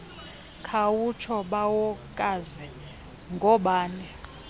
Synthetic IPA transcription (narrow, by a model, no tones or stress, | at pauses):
kʰawut͡ʃʰɔɓawɔkʼazɛ | ŋɡʱɔɓaːnɛ